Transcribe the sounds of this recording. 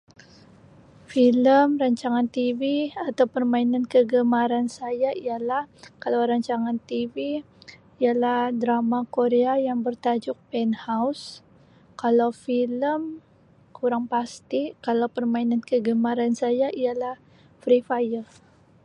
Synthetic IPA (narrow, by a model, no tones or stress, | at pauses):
filəmraɲt͡ʃaŋant̪iviat̪awpərmainankəɡəmaɾansajaialahkalawɾaɲt͡ʃaŋant̪iviː | alahdɾamakoɾeajaŋbərt̪ad͡ʒʊk̚pɛnhaws | kalawfiləm | kuɾaŋpast̪ikalawpərmainankəɡəmaɾansajaʔijalah | fɾifajəl